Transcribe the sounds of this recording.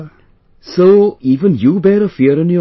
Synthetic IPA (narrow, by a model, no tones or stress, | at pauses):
soʊiːvə̃njəbɛɾəfiɾə̃njə